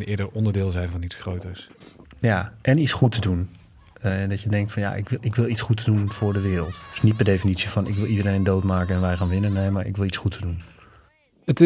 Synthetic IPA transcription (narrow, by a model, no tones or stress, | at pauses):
nɪːdəɔndəɹdɪːlˠzɛjnvɑnitsxrowtəɹsjaʔɛnit͡ssχutədun | dɔtjədɛŋk̚tfɔnja̰ʔɪkɪkʋɪlˠisχutədunfʊːɹdəʋɪːɾəlˠtd̥snit̚pɛrdejfinitsifɔnɪkʋɪlˠidəɾejndowtmaːkəɛnʋɛjχaːnʋɪnənːejmaɹʔɪ̰kʋɪlˠisχutʰədun | ət